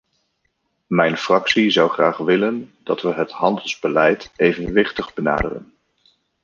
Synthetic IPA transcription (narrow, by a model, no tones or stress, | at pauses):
mɛjnfrɑksizʌwχraːχʋɪlənd̥ɑtʋəɦətɦɑndəlˠzbəlɛjtejvənʋɪχtəχbəna̰ːdə̰rə̰n